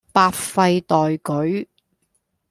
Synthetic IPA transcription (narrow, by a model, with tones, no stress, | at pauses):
paː˧tfɐ˧jt̪ɔː˨jkɵ˨˥ɥ